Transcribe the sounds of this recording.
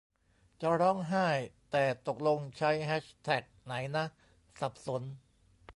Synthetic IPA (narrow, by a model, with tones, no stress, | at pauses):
t͡ɕa˨˩ɾɔ˦˥˩ŋɦaː˥˩jt̪ɛː˨˩t̪o˨˩k̚lo˧ŋt͡ɕʰa˦˥jɦɛː˦˥ɕt̪ʰɛ˨˩k̚na˩˦jna˦˥ʔ | sa˨˩p̚so˩˦n